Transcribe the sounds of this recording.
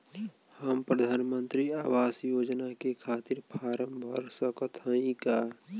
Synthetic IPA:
həmpɾəd̪ʱaːnmənt̪ɾiaːwaːsjod͡ʒnakekʰaːt̪iɾpʰaːɾəmbʱəɾsəkət̪ʰɦə̃ĩka

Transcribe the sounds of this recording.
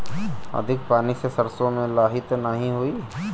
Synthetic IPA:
ɐ̰d̪ʱɪkpaːnisesɐɾsõmẽlaːɦɪt̪nɐɦĩɦuiː

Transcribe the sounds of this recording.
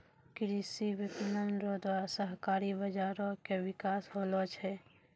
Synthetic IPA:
kɪɾisibɪpɪnənɾod̪wasəɦkaːɾibəd͡ʒaːɾõkewɪkaːsɦoːlot͡ʃɦɛː

